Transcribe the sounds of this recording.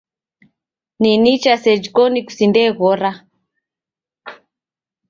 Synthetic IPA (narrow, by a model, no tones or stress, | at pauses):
ninit͡ʃasɛd͡ʒikɔniku̥sindɛɣɔɾa